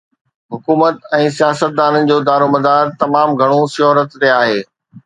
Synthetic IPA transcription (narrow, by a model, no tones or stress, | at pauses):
ɦʊkuːmət̪ɛ̃ːsijaːsət̪̚d̪aːnənɪ̆d͡ʑoːd̪aːɾomɐd̪aːɾt̪ɐmaːmɡʱɐɽ̃osjɔːɾət̪t̪eaːɦeː